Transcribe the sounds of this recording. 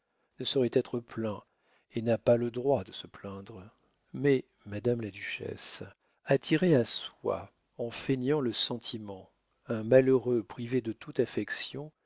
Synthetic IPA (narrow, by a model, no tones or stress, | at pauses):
nəsɔʁɛt̪ɛt̪χəplɛ̃ | enapaləd̪ʁwad̪əsəplɛ̃d̪ʁ | mɛ | mad̪amlad̪yʃɛ̰s | at̪ʰiʁeaswa̰ | ɑ̃fenjɑ̃ləsɑ̃t̪ʰimɑ̃ | ɛ̃maløʁøpχived̪ət̪ut̪afɛksjɔ̃